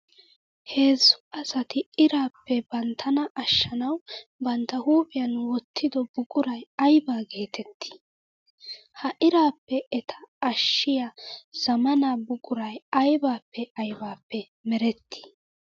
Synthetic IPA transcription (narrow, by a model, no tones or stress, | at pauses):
he̞ːzːʊ̥ɐsɐt̪ɪɪɾaːpːɛbɐnt̪ʰːɐnɐʔɐʃːɐnɐwbɐnt̪ːɐhuːpʼɪjɐnwɔt̪ːɪd̪ɔbʊkʼʊɾɐjɐjbaːɡe̞ːt̪ʰɛt̪ːɪ̥ | hɐʔɪɾaːpːɛɛt̪ʰɐ̥ːʃːɪjaz̥ɐmɐnaːbʊkʼʊɾɐjɐjbaːpːɛɐjbaːpːɛ | mɛɾɛt̪ːɪ̥